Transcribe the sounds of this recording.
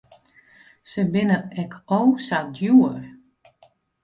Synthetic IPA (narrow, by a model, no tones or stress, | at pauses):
səbɪnəɛkʰowsadjuər